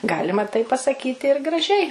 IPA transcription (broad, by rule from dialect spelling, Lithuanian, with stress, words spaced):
ˈɡɑːlʲɪmɐ tɐɪ pɐsɐˈkʲiːtʲɪ ɪr ɡrɐˈʒʲɛɪ